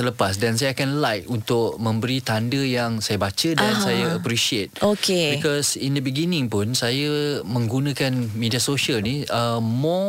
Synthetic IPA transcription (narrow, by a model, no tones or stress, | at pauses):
ələpas̬dansajaakanlajk̚unt̪ʊk̚mə̃mbəɾit̪andəjaŋsajabat͡ʃədansajaːpɾiʃiet̪̚okebikɔsindəbiɡinɪ̃ŋpʊnsajamə̃ŋɡunãkanmĩdiasoʃəlniʔəmɔ